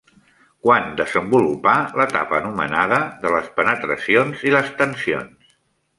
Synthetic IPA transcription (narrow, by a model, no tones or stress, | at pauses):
kwand̪əzəmbulupalət̪a̰pəːnumə̰naðəðələspənət̪ɾəsionziləst̪ənsio̰ns